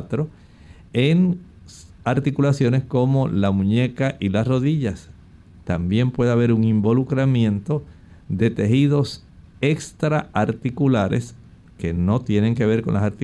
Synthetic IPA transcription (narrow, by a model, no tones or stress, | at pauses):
t̪ɾo̞ | eŋ | aɾt̪ikulasjo̞ne̞sko̞mo̞lamũɲe̞kaʔilasro̞ðiʝas | t̪ambje̞mpwe̞ðeaβe̞ɾuŋimbo̞lukɾamjẽ̞nt̪o̞ | d̪e̞t̪e̞hiðo̞s | e̞kst̪ɾaaɾt̪ikulaɾe̞̰s | ke̞no̞t̪je̞nẽ̞ŋke̞βe̞ɾko̞nla̰saɾt̪i